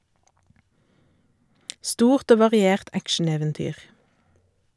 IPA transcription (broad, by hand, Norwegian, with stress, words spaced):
ˈstuːʁt ˈoː ʋɑʁɪˈeːʁt ˈækʃn̩eːʋɛnˌtyːʁ